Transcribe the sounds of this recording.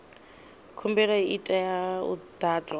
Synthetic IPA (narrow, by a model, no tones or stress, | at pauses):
kʰumbɛɺɔiʔitʼajaṵd̪̥aːt͡sʼwa